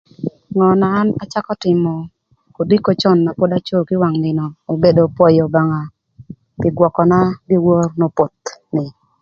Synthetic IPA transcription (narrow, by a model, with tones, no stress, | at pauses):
ŋɔ˨naː˨˦na˦t͡ʃa˦kɔ˦tɪ˨mɔ˨ | ko˨di˦ko˦t͡ʃɔ˦˨nːa˨po˦da˦t͡ʃo˦kɪ˦wa˨ŋnɪ˨nɔː˨be˨do˨pɔ˦jɔ˨ba˨ŋa˨ | kɪ˨ɡwɔ˨kɔ˨na˦ɡɪ˦wɔ˦rno˨˦po˨t̪nɪ˨